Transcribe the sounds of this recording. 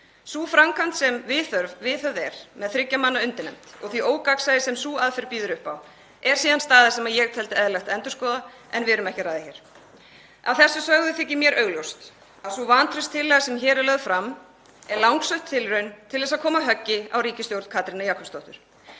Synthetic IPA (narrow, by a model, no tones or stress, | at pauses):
suːfɾamkʰant̪sɛmvɪθœɾvvɪðθœɾðɛɾ̥mɛðθɾɪcːamanːaʏnt̪ɪnɛ̰m̥t̪ɔɣθviʔoːwkaksaðɪsɛmsuːaðfɛɾpiːðʏɾʏhpaw | ɛɾ̥siːðanst̪aːðɪsɛmaðjɛɣt̪ʰɛlt̪ɪɛðlɛxt̪ɛnt̪ʏɾ̥skɔːða | ɛnvɪɾʏmɛhcɪɾaːjðɪçɛɾ̥ | awθɛsːʏsœɣðʏθɪcːɪmjɛɾʔœːɥɣljowst̪ | aðsuvant̪ʰɾʏst̪ʰːɪlːɛɣasɛmçɛːɾɪlœɣfɾamː | ɛɾlawŋksœɥht̪ʰːɪlrœɥnt̪ʰɪlðɛsaðkʰɔːmaɦœcːɪa̰wɾiːcɪst̪jowɾt̪kʰaːt̪ɾɪnajakʰʏst̪oht̪ʏɾ̥